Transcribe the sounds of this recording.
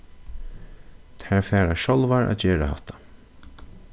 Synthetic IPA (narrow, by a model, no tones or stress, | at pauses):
t̪ʰæːɹfɛːɾaʃɔlʋaɹʔa̰d͡ʒɛːɹahat̪ḁ